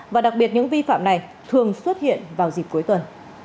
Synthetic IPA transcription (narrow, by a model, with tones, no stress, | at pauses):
vaː˨˩ɗa˨˩k̚ɓi˨˩ət̚ɲɨ̰˧˥ŋvi˧fa̰ː˧˨mna˨˩j | t̪ʰɨ˨˩əŋswə˦˥t̚hḭ˧˨ənvaː˨˩wzi˨˩ku˨˦jt̪wə˨˩n